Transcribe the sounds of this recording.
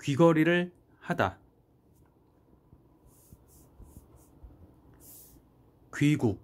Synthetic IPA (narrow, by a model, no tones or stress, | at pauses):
kɥiɡʌɾiɾɯɭ | hada̰ | kɥiɡuk̚